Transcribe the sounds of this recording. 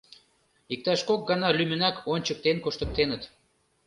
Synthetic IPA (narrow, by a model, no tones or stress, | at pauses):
ik̚t̪ɑʃkok̚ɡɑnɑlymənækʰonʲt͡ɕək̚t̪enkoʃt̪ə̆k̚t̪enət̪